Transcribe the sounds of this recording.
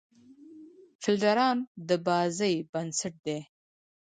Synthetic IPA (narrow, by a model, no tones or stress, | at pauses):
fɪlɖaɾɑːnd̪əbɑzəjbansaʈ̚d̪e